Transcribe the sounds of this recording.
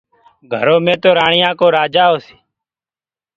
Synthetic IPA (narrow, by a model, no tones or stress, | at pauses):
ɡʱəɾoːmẽːt̪oːɾaːɳɪjãːkoːɾaːd͡ʒaːɦoːsi̥ː